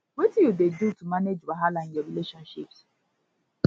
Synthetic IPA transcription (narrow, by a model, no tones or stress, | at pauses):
wetijudedutumaned͡ʒwaɦalanjeɾileʃɔnʃips